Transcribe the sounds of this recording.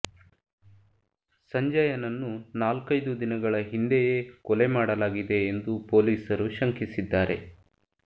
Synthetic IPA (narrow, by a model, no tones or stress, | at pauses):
sɐɲd͡ʒɐjɐnɐnːunaːlkɐjd̪ud̪inɐɡɐɭɐɦind̪ejeːkɔle̞maːɽɐlaːɡid̪e̞ːnd̪upo̞ːliːsɐɾuʃɐŋkisid̪ːaːɾʔe̞̰